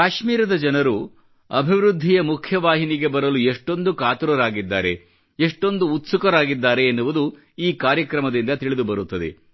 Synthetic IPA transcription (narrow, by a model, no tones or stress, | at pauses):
kaːʃmiːɾɐd̪ɐd͡ʒɐnɐɾu | ɐbʱiʋɾud̪ʱːijɐmukʰjɐʋaːɦiniɡe̞bɐɾɐlueʂʈo̞nd̪ukaːt̪uɾɐɾaːɡid̪ːaːɾe̞ | eʂʈo̞nd̪uːt̪sukɐɾaːɡid̪ːaːɾe̞ːnːuʋud̪u | iːkaːɾjɐkɾɐmɐd̪ind̪ɐt̪iɭid̪ubɐɾut̪ːɐd̪e̞̰